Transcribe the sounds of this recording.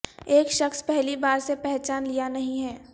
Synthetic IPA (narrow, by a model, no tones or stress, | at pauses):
eːkʃɐxspɛɦlibaːɾsepɛɦt͡ʃaːnlijanɐɦĩɦɛː